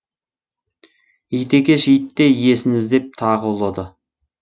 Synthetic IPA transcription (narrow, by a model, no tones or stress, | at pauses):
ijt̪e̞kʲe̞ʃijt̪ːe̞je̞sɪŋɪzd̪e̞p̚t̪ʰɑʁəwolˠɑd̪ə